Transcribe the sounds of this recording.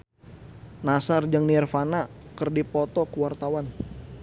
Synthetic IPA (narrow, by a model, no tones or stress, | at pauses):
nasard͡ʒəŋnirfanakərdipɔt̪ɔkəwart̪awan